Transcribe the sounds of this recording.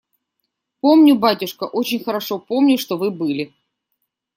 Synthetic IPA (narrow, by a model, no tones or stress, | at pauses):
po̞mnʲʊbatʲʊʂkəʔot͡ɕɪnʲxəɾɐʂo̞po̞mnʲʊʂt̪ovɨbɨlʲɪ